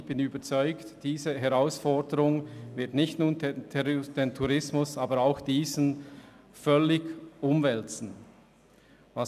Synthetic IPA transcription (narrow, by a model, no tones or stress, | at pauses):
b̥ɪnyːbət͡sɔʏktd̥iːzəɦɛʁaʊsfɔɐdəʁʊŋvɪɐtnɪçtnuːndtʰd̥entʰuʁɪsmʊsaːbəɾaʊxd̥iːzən̩ | fœlɪɡʔʊmvɛlt͡sn̩ | vɑ